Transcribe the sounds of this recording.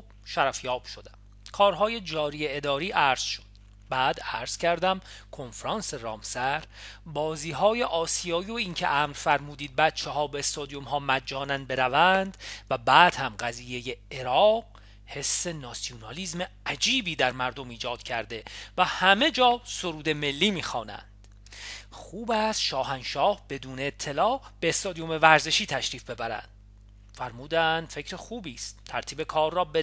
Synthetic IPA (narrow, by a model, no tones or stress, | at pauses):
ʃæɾæfjɒːb̥ʃod̪æm | kʰɒːɾɦɒːje̞d͡ʒɒːɾijeed̪ɒːɾiːʔæɾz̥ʃo̞d̪̥ | bæːd̪æɾz̥cʰæɾd̪æmkʰo̞nfɾɒːnse̞ɾɒːmsæɾbɒːziːɦɒːje̞ʔɒːsijɒːioiːncʰḛʔæmɾfæɾmuːd̪iːd̪̚bæt̪̚t͡ʃʰehɒːbeest̪ɒːd̪ijomɦɒːmæd͡ʒːɒːnænd̪̚be̞ɾævænd̪̥væbæːd̪̥hæmɢæziːje̞jeeɾɒːq̚ | he̞sːe̞nɒsionɒliːzme̞æd͡ʒiːbiːd̪æɾmæɾd̪omiːd͡ʒɒːd̪̥cʰæɾd̪e̞væhæme̞d͡ʒɒːso̞ɾuːd̪e̞me̞lːiːmiːxɒːnæ̰nd̪̥ | χuːbæst̪ʃɒːɦænʃɒːhb̥e̞d̪uːne̞ːt̪ʰːe̞lɒːb̥e̞ːst̪ɒːd̪ijome̞væɾze̞ʃiːt̪ʰæʃɾiːfbe̞bæɾæ̰nd̪̥ | fæɾmuːd̪ænd̪̥fe̞cɾexuːbiːst̪t̪ʰæɾt̪ʰiːbe̞kʰɒːrːɒːb